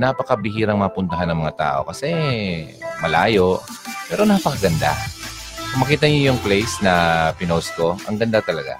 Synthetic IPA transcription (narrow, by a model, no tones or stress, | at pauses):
napɐkɐbɪhiːɾɐŋmaːpʊnt̪ɐɦanːɐŋmɐŋat̪a̰ːʔo̞̰kɐsɛ | mɐlaːjo̞ʔ | pɛːɾo̞naːpɐkɐɡɐnd̪a̰ | kʊŋmɐkiːt̪ɐɲojʊŋplɛjsnɐpɪnosko̞ʔɐ̰ŋɡɐnd̪at̪ɐlɐɡa̰